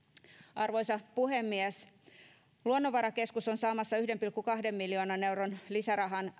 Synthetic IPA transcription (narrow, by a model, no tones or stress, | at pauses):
ɑrʋo̞jsɑpuɦe̞mːies | luonːoʋɑɾɑke̞skuso̞nsɑːmɑsːɑyhde̞mpilkːukɑhde̞mːmiljoːnɑne̞wɾo̞nlisæɾɑɦɑn